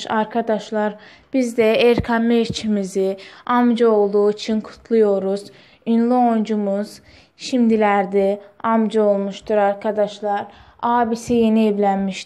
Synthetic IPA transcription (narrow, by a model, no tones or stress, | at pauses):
ʃaɾkʰad̪aʃlˠɑɾ | b̥izd̪ɛeɾkʰanmeɾt͡ʃʰimiziamd͡ʒao̞lˠd̪uːit͡ʃʰinkʰu̥t̪ʰlˠujo̞ɾuz̥ | inlˠuond͡ʒumuz̥ | ʃimd̪ilʲæɾd̪ɛamd͡ʒao̞lˠmuʃt̪uɾaɾkʰad̪aʃlˠaɾ | aːbisije̞nieblʲænmiʃ